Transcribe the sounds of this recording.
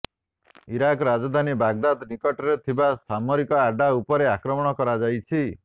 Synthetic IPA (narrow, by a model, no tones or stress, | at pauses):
iɾakɔɾad͡ʒɔd̪ʱanibaɡ̚d̪ad̪nikɔʈɔɾet̪ʰibast̪ʰamɔɾikɔaɖaupɔɾeakɾɔmɔɽ̃ɔkɔɾad͡ʒajt͡ʃʰi